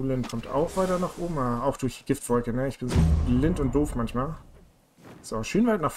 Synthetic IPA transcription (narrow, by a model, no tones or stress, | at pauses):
uːlɪnkʰɔmtʰa̰ʊxv̥aɪtɐnɔχʔʊbm̩aaʊxd̥ʊɐç̥ɡ̥ɪftv̥ɔlkənəɪçb̥ɪnzoːblɪntʊnt̚d̥oːfmançmaːl | z̥oʃøːnvaɪtnaːχf